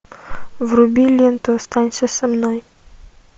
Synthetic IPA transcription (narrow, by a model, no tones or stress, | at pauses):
vrʊbʲilʲent̪oɐst̪anʲsʲəsɐmnoj